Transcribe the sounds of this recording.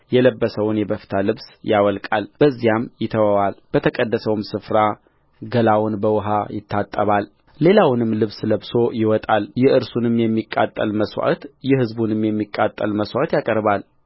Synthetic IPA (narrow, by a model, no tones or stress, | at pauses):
jɛləbːəsəwnjɛbəfi̥t̪ʰalɨβsjawɔlkʼalb̥əzːijamjɪt̪ʰəwawalb̥ət̪ʰəkʼəd̪ːəsəwmsɨfɾa | ɡəlawʊnbəwʊɦajɪt̪ʰːat̪ʼːəβal | le̞lawnɨmːlɨβsləβso̞jɪwɔt̪ʼaljɛɨɾsunɨmjɛmːikʼːa̰t̪ʼːəlməswa̰t̪jɛhɨzbunɨmjɛmːikʼːat̪ʼːə̰lməswat̪jakʼəɾbal